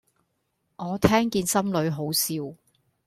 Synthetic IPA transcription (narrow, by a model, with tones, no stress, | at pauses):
ŋɔː˨˧t̪ʰɛː˥ŋkiː˧nsɐ˥mlɵ˨˧ɥɦo˨˥wsiː˧w